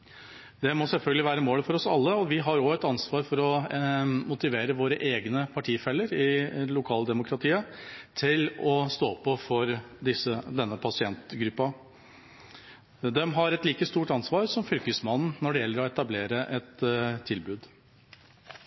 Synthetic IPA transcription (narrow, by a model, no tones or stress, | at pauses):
d̪ɛmɔsɛlfœlɡəlɪʋæːɾəmoːləfɔɾɔsɑ̰lːəɔʋɪɦɑɾɔɛt̪ɑnsʋɑːɾfɔɾɔ | mʊt̪ɪʋeːɾəʋoːɾəʔeːɡnəpʰɑʈʰiːfɛlːəɾɪlʊkʰɑːld̪ɛmʊkʰɾɑt̪ʰiːət̪ʰɪlɔst̪oːpːɔfɔɾd̪ɪsːəd̪ɛnːəpʰɑsɪɛnt̪ɡɾʉpːɑ | d̪ɛmɦɑɾɛt̪liːkəst̪uːʈɑnsʋɑːɾsɔmfʏlkəsmɑnn̩nɔɖɛjɛlːəɾɔɛt̪ɑbleːɾəʔɛt̪ʰːɪlbʉːd̪